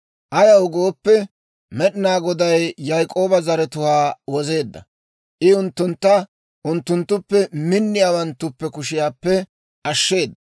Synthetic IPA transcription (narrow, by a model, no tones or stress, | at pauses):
ʔɐjɐʊɡoːpːɛ | mɛɗɪnaːɡɔd̪ɐjːɐjkʼo̞ːbɐzɐɾɛt̪ʊhaːwɔze̞ːd̪ːɐ̰ | ʔɪʊnt̪ːʊnt̪ːɐ | ʔʊnt̪ːʊnt̪ːʊpːɛmɪnːɪjaːwɐnt̪ːʊpːɛkʊʃɪjaːpːɛ | ʔɐʃːe̞ːd̪ːɐ